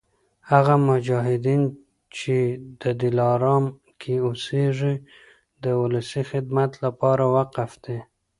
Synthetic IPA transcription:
haɣamʊd͡ʒɑɦɪd̪in | t͡ʃed̪̥əd̪ɪlɑɾɑm | kʰeoseʐi | d̪əwʊlasixɪd̪mat̪lapɑɾawaqafd̪̥e

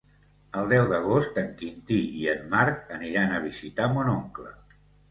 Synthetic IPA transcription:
əlˠd̪ɛwðəɣ̞ost̪əŋkint̪iiəmːaɾkəniɾanəβ̞izit̪amonoŋklə̰

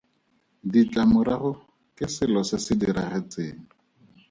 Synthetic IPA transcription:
dit͡ɬʼamʊɾaχʊ | kʼɪsɪlɔsɪsɪdiɾaχet͡sʼeːŋʊ

